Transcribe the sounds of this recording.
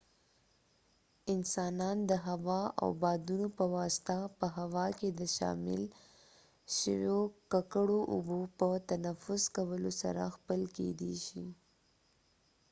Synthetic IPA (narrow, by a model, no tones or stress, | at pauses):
ɪnsɑnɑnd̪əɦawɑa̰wbɑd̪unopəwɑsɪ̥t̪apəɦawɑked̪əʃɑ̰mɪ̰l | ʃəwjokakəɽoʔʊ̰bopət̪anafʊzkawəlosa̰ɾa̰xpəlkḛd̪ḛʃi